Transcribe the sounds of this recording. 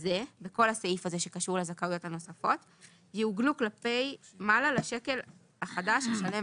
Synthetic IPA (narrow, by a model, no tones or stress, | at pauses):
zebeko̞lhasaifaze̞ʃe̞kaʃuʁlezakaujo̞thano̞safo̞t | jeuɡluklape̞jmalalaʃe̞ke̞l | aχadaʃaʃale̞